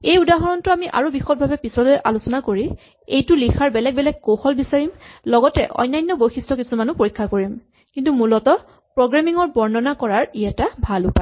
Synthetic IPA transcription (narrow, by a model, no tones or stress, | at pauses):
ejudaɦɔɹɔntʊamiʔa̰ɹubixɔt̚bʱabɛpisɔlʊjʔa̰lusɔnakoɹi | ḛjtʊlixʰaɹbɛlɛɡ̚bɛlɛk̚koxɔlbisaɹimlɔɡɔtɛ̰ʔɔ̰jnːajnːɔbojxistɔkisumanʊpoɹikʰːakoɹim | kintumulɔtɔ | pɹoɡɹamiŋɔɹbɔɹnɔnakɔɹaɹijatabʱalʊpa